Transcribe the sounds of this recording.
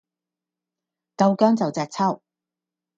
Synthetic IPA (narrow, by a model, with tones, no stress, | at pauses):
kɐ˧wkœː˥ŋt͡sɐ˨wt͡sɛː˨k̚t͡sʰɐ˥˩w